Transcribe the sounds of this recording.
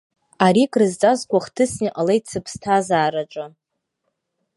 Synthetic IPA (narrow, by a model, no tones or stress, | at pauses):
aɾikʼrɨzt͡sʼazkʷaχtʰɨsniʔalejtʰt͡sʰɨpʰstʰazaːɾaʈ͡ʂʷʼa